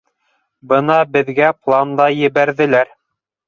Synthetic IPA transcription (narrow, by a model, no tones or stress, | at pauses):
bɤnɑbɘ̆ðɡæplˠand̪ɑjɘ̆βæɾðɘ̆læɾ